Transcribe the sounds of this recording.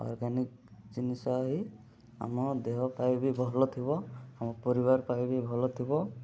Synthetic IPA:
ɔ̰ɾɡanik̚ | t͡ʃinisɔɦi | a̰mɔd̪eɦɔpajbibʱɔɦɔlɔt̪ʰibɔamɔpɔɾiβaɾpajbibʱɔɦɔlɔt̪ʰibɔ

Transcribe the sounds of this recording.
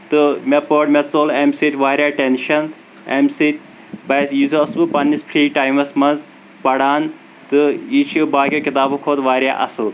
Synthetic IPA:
t̪ɨmepoːʈmʲet͡soːlemsit̪ʲʋaːɾʲjaːʈenʃɐn | emsit̪ʲ | bɐsjizoɐsbɨpɐnːispʰɾiːʈaːjmɐsmɐnz | pɐɽaːn | t̪ɨiːt͡ʃʰibaːɡʲokʲit̪aːbɨkʰoːt̪ʋaːɾʲjaːʔɐ̰sɨl

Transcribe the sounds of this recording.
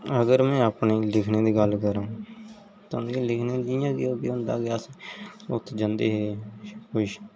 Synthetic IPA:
əɡəɾmɛ̃ːapneːlɪkʰneːd̪iːɡəlkəɾãː | t̪ãːd̪ilɪkʰneːd͡ʒijãːkioːɡeːɦʊ̃nd̪a̰ːɡɪaːsʊt̪ʰːd͡ʒãnd̪eːɦeːkʊʃ

